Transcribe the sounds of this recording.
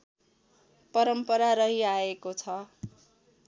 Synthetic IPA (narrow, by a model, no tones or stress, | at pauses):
pʌɾʌmpʌɾaɾʌɦiaekot͡sʰʌ